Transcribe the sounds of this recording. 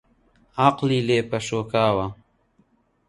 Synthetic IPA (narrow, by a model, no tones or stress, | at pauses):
aqlileːpɐʃoːkaːwa